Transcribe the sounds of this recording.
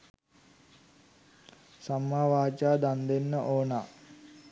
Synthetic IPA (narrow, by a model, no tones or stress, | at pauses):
samːaːʋaːt͡ʃaːd̪and̪enːəʔoːna